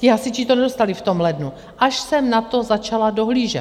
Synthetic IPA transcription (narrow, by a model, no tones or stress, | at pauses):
cɪasɪt͡ʃit̪onɛdo̞st̪alɪft̪o̞mlɛdnu | ʔaʃsɛmnat̪o̞zat͡ʃalado̞ɦliːʒɛ̰t̪